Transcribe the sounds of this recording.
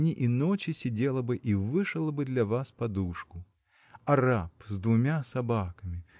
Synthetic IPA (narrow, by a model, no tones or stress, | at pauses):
nʲiʔinɔt͡ʃʲisʲid͡zʲɛlˠɐbɨʔivɨʂɐlˠɐbɨd̪lʲɐvaspad̪uʂku | ɐɾapzd̪vʊmʲasabakɐmʲi